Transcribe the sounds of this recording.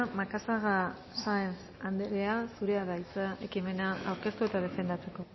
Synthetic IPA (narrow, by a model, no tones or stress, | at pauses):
makasaɣa | sajens | and̪eɾeasuɾe̞aðajt͡sae̞kime̞naawɾke̞st̪ue̞t̪aðe̞fe̞nd̪at͡se̞ko̞